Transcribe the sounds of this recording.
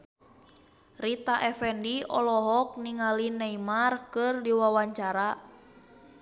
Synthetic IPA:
rit̪aʔɛfɛndiɔlɔɦɔk̚niŋalinɛimarkɨrdiwawaɲt͡ʃaɾa

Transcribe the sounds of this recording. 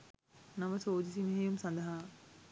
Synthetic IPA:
nɐmɐsoːd̪is̬imɐɦɐjumsɐnd̪ɐɦaː

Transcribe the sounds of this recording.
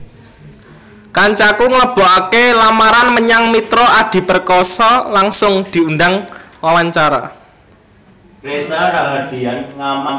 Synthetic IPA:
kaɲt͡ʃakuŋləb̥o̤ʔakelamaɾanməɲaŋmit̪ɾoʔad̪̥i̤pərkɔsɔlaŋsʊŋd̪̥i̤unɖaŋlawaɲt͡ʃaɾa̰ | esakaɦad̪̥ianŋama

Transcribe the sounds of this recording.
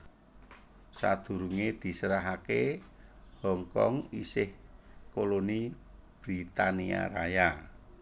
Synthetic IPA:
sa̰d̪̥ṳɾuŋed̪̥i̤səɾaɦake | hɔŋkɔ̰ŋisɪhkoloni | b̥ɾit̪ania̰ɾa̰ja

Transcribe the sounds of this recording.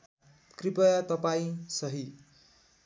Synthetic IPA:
kripʌjat̪ʌpaĩsʌɦi

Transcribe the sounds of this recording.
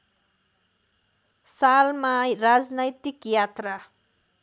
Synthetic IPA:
salmarad͡znʌjt̪ikjat̪ra

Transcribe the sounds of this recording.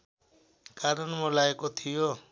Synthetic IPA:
kaɾɔnmɔlajekɔt̪ʰijo

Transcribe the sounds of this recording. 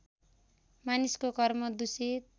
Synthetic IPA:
maniskokʌrmʌd̪usi

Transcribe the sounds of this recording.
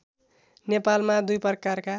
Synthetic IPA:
nepalmad̪ujpʌrkarka

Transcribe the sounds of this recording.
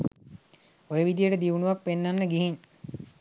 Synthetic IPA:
ojəʋid̪ijəʈəd̪iʋunuʋak̚penːanːəɡiɦin

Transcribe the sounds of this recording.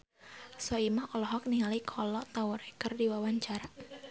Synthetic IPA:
sɔimahɔlɔɦɔk̚niŋalikʰɔlɔʔt̪auɾɛkərdiwawaɲt͡ʃaɾa

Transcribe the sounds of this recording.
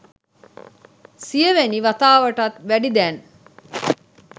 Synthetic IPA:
sijəʋæniʋat̪aːʋəʈɐt̪ʋæɖid̪æːn

